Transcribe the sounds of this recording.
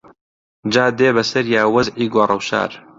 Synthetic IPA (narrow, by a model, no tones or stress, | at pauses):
d͡ʒaːd̪eːbɐsɐɾjaːwɐzʕiːɡʷorˤɐwʃa̰ːɾ